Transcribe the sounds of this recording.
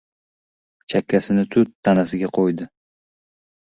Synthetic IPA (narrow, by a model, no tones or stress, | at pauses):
t͡ʃʰakʲʰːasɪnɪt̪ʰʊt̪ʰːanasɪɡʲaqʰojd̪ɪ